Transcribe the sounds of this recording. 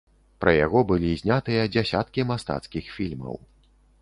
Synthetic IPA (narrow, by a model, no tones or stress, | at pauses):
pɾʔɐja̰ɣɔbɨlʲizʲnʲat̪ɨjɐd͡zʲasʲat̪kʲimast̪a̰t̪skʲixfʲilʲmɐ̰w